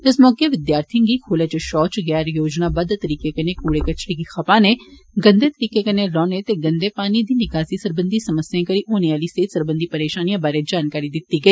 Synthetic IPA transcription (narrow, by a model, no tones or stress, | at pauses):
ɪsmɔːkeʋɪd̪jaːɾt̪ʰɪ̃ŋɡikʰoːlet͡ʃeʃɔːt͡ʃɡɛaːɾjoːd͡ʒnabɐd̪t̪ɐɾiːkekɐnekuːɽekɐt͡ʃɽikixɐpãːneɡə̃nd̪et̪əɾiːkekɐneɾɔ̃ːnet̪eɡɐ̃nd̪epaːnid̪iːnɪkaːsisəɾbə̃nd̪isɐməsjãkɐɾiʔoːneaːliseːt̪səɾbə̃nd̪ʱipɐɾeːʃaːnijãbaːɾed͡ʒaːnkaːɾid̪ɪt̪ːiɡɐiː